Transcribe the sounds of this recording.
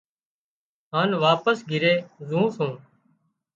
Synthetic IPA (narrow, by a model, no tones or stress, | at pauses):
ɦaːnʋaːpəsɡʱɪɾeːzũːsũː